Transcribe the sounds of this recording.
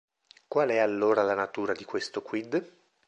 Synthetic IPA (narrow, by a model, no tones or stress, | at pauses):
kwalɛalːoːɾalanat̪uːɾad̪ikwest̪okwid̪